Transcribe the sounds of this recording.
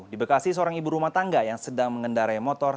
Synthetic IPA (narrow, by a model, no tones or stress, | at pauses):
dibəkasisəoɾaŋibuɾumaht̪aŋɡajaŋsədaŋməŋəndaɾaimɔt̪ɔr